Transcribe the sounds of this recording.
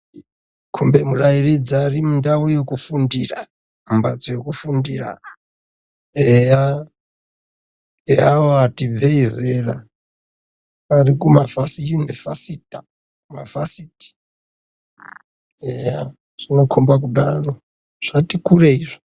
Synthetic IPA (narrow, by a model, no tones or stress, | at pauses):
kʰumbe̞murairid͡ziarimundaojekufundira̰ | umbad͡zojekufundira̰ | eja | eaoatib͡veizera̰ | arikumavasijunivasita | mavasiti̥ | eja | ʐ̥ino̞kʰombak̬uɗaro̞ | ʐ̥atikureiʐo̥